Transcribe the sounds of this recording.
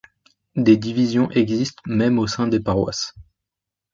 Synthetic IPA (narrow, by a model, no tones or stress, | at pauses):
d̪ed̪ivizjɔ̃ʔɛɡzist̪mɛmosɛ̃d̪epaʁwa̰s